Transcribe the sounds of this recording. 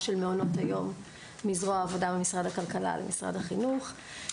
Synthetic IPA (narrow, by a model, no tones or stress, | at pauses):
ʃelmeono̞thajo̞mː | izʁoaːvo̞dabemisʁad̪akalkala̰lʔḛmisʁa̰dhaχinuχ